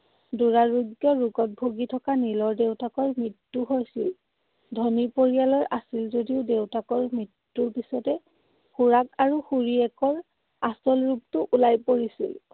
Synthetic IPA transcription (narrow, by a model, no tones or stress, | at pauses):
duɹaɹuɡjɔɹuɡɔt̚bʱoɡitʰɔkanilɔɹdewtakɔɹmɹitːuɦojsil | dʱonipoɹijalɔɹʔasilzodiʊdewtakɔɹmɹitːuɹpisɔtɛ | xuɹakaɹuxuɹiɛkɔɹ | asɔlɹuptʊʔulajpoɹisḭl